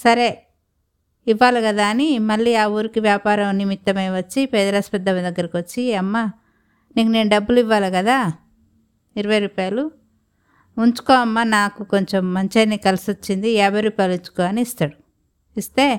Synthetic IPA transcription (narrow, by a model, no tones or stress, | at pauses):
sɐɾe̞ | iʋːaːlukɐd̪aːɐnimɐɭːiːaːuːɾikiʋjaːpaːɾɐmnimit̪ːɐmɐjʋɐt͡ʃːipɛːd̪ɐɾɐspɐd̪ːɐmd̪ɐɡːɐɾɐkʋɐt͡ʃːiɐmːa | niːkune̞ːnuɖɐbːuliʋːaːlɐkɐd̪aː | iɾuʋɐjɾuːpaːjɐlu | uɲt͡ʃu̥koːɐmːanaːkuko̞ɲt͡ʃo̞mːɐɲt͡ʃɐnːikɐlisot͡ʃːind̪iɛːbɐjɾuːpaːjluɲt͡ʃu̥koːɐniːst̪aːɽu | ist̪e̞ː